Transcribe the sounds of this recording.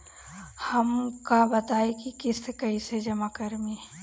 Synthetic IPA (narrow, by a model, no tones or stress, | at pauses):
hɐmkabɐt̪aːekikɪskɐised͡ʒɐmakəɾmi